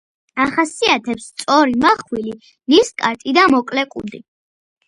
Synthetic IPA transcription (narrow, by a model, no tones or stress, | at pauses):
aχasiat̪ʰɛpst̪sʼɔɾimaχwili | niskʼaɾt̪ʼid̪amɔkʼlɛkʼṵd̪i